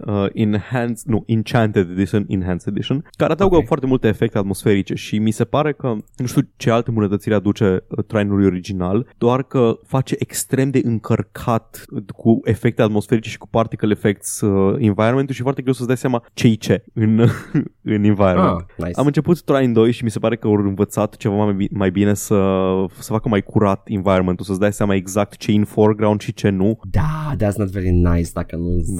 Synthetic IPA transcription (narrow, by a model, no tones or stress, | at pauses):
əʔinhansnuʔint͡ʃant̪ed̪ed̪iʃonḭnɦansed̪iʃonkaɾead̪auɡəfoaɾrt̪emult̪e̞ːfek̚t̪e̞at̪mo̞sfe̞ɾit͡ʃe̞ʃimise̞paɾe̞kənuʃt̪iut͡ʃealt̪embunət̪ət̪siɾʲad̪ut͡ʃe̞ət̪ɾajnulujo̞ɾid͡ʒinald̪oarkəfat͡ʃe̞ʔekst̪ɾe̞md̪e̞ʔɨŋkʰərkʰat̪kʰue̞fe̞k̚t̪eat̪mo̞sfe̞ɾit͡ʃe̞ʃi̥ku̥part̪ikəlefek̚t̪səinvajɾonment̪uʃifoart̪eɡɾewsəsd̪ajsjamat͡ʃe̞jt͡ʃe̞ɨn | ɨnĩnvajɾonment̪na̰jsa̰mɨnt͡ʃe̞put̪t̪ɾaind̪o̞jʃimise̞paɾe̞kəorɨnvət̪sat̪t͡ʃe̞vaimajbine̞səsə̥fakəmajkʰuɾat̪invajɾomeulsəsd̪ajseamae̞ɡzak̚t̪t͡ʃe̞inforɡɾawnd̪ʃit͡ʃe̞nud̪ad̪ætsnət̪veɹinajsd̪akənu